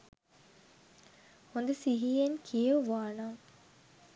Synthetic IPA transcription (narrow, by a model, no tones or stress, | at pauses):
ond̪ɐsiɦiːenkʰijəʋaːnaːŋ